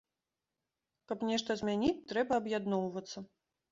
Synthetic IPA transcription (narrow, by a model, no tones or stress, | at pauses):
kɐpnʲɛʂt̪ɐzʲmʲanʲit͡sʲt̪ɾɛbɐːbjad̪nɔwvɐt̪sːɐ